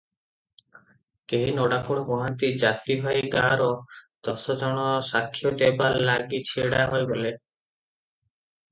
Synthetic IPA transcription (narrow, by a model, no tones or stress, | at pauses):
keɦinɔɽakuɽ̃ɔbɔɦant̪id͡ʒat̪ibʱajɡaɾɔd̪̥ɔsɔd͡ʒɔɽ̃ɔsakʰːjɔʈ̪ebalːaɡit͡ʃʰiɽaɦɔjɡɔle